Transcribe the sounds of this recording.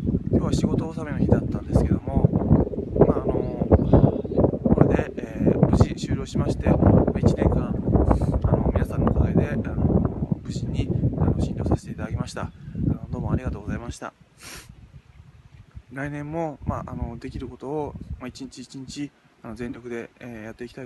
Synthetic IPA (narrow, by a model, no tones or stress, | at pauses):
kʲo̞ːβaɕiɡo̞t̪o̞ːsamenoçid̪at̪ːãnd̪e̞sɨ̥ked̪o̞mo̞ | maːno̞ | okad̪e̞ːbɯ̟ʑiɕɨːɾʲo̞ːɕimaɕi̥t̪e̞mait͡ɕinẽ̞ŋkã | ano̞mʲinasãnːokot̪aed̪e̞ano̰bɯ̟ʑiɲ̟ːia̰no̞ɕĩnd̪ʲo̞ːsaɕe̥t̪e̞it̪ad̪akemaɕi̥t̪aanod̪o̞ːmõ̞aɾʲiɡat̪o̞ːɡo̞zaimaɕi̥t̪a̰ | ɾainẽ̞mːo̞maʔano̞d̪e̞kʲiɾɯ̟ko̞t̪o̞ːmait͡ɕiɲit͡ɕiːt͡ɕiɲ̟it͡ɕi | ano̞zẽ̞nɾʲo̞kɯ̟d̪e̞jat̪ːe̞ikʲit̪a